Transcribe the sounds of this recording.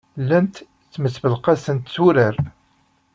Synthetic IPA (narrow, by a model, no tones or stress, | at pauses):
lænt̪ | t͡sːməsbəlqasənt̪t͡sːuɾəɾ